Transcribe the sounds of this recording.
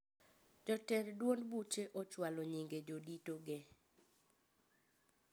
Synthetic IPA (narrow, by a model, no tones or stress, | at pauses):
d͡ʒɔtɛɾdwonbut͡ʃeʔɔt͡ʃwaloɲiŋɡed͡ʒoditoɡe